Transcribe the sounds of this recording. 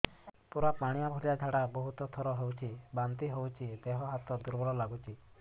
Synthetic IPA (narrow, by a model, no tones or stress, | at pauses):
puɾapaɽ̃iabʱɔɾiad͡ʒʱaɽabɔɦut̪ɔt̪ʰɔɾɔɦowt͡ʃʰibant̪iɦowt͡ʃʰid̪eɦɔɦat̪ɔd̪uɾbʱɔɾɔlaɡut͡ʃʰi